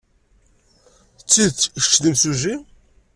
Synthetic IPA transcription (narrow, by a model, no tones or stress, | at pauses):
t͡sːit͡sʃʃðimsuʒi